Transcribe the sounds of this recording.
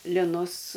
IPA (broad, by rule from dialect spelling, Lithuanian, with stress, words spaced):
lʲɪˈnʊs